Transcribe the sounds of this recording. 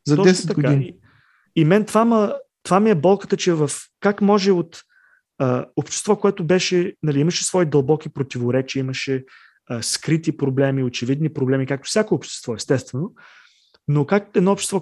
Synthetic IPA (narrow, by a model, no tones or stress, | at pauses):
zɐd̪ɔɛsɛt̪t̪ɐɡod̪inii | imɛnt̪vamət̪vamiɛbɔlˠkə̥t̪ət͡ʃɛvəfkakmɔʒɛot̪ | əopʃt̪ɛ̥st̪vɔkoɛt̪ʊbɛʃɛnɐliiməʃɛsvɔid̪ɐlˠbɔkipɾot̪ivoɾɛt͡ʃiəiməʃɛ | əskɾit̪ipɾoblɛmiot͡ʃɛvid̪nipɾoblɛmikak̚t̪ʊ̥fsʲjakɛopʃt̪ɛ̥st̪vɔɛst̪ɛst̪vɛno | nokakɛd̪nɔopʃt̪ɛ̥st̪vɔ